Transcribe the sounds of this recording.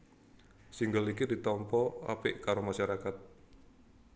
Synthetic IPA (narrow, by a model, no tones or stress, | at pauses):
siŋɡalikidit̪ɔmpɔa̰pɪʔkaɾomaʃaɾakat̪̚